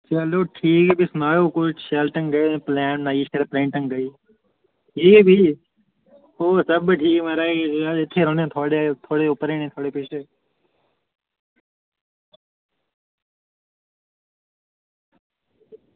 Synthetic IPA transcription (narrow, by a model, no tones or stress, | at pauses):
t͡ʃəloːʈʰiːkbʱiːsʊnaːjoːkoʃeːlʈə̃ŋɡə̃plɛːnnaːiːʃeɾpɾẽːɳʈəŋɡəiː | ɦiːbʱiː | oːsəbʈʰiːkməɾaːeɪt̪ʰːeːɾonẽːt̪ʰoːɽet̪ʰoːɽeːʊpəɾeːnẽːt̪ʰoːɽeːpeːʃeː